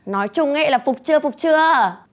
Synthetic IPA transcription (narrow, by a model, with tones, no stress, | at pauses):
nɔ˨˦jt͡ɕʊ˧ŋ͡mhḛ˧˥jlaː˨˩fʊ˨˩k͡p̚t͡ɕɨ˧əfʊ˨˩k͡p̚t͡ɕɨ˧ə